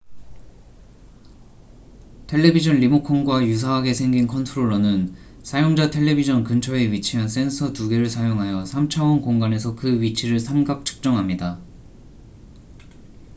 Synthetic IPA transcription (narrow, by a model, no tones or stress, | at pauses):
tʰe̞ɭːe̞bid͡ʑʌnʎimokʰonɡwajus̬ʰawaɡe̞sʰe̞ŋɡinkʰʌntʰɯɾoɭːʌnɯn | sʰajoŋd͡ʑatʰe̞ɭːe̞bid͡ʑʌnkɯnt͡ɕʰʌe̞ɥit͡ɕʰiɦans͈e̞nsʰʌtuɡe̞ɾɯɭsʰajoŋɦajʌsʰamt͡ɕʰawʌnkoŋɡane̞sʰʌkɯɥit͡ɕʰiɾɯɭsʰamɡak̚t͡ɕʰɯ̥k̚t͡ɕ͈ʌŋɦamɲida